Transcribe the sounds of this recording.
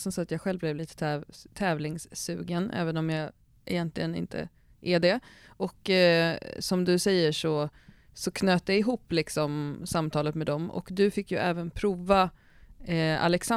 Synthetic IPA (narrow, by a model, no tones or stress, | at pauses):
sɔmsɔat̪jɑːɡɧɛlvblɛvliːt̪ə̥t̪ʰːt̪ʰɛːvlɪŋsːʉ̟ːɡənʔɛ̰ːvənɔmjɑː | ʔɛ̰jɛnt̪lɪɡənɪ̰nt̪ʰə̰ | ʔæɖɛ | ʔɔkː | sɔmd̪ɵsɛjːəʂɔ | sɔkʰnøːt̪̚aɪɦuːpːlɪksɔmsamːt̪ʰɑːlət̪mɛd̪ɔmɔ̰kd̪ɵfɪkːjɵʔɛːvənpʰɾuːva | a̰lɛksa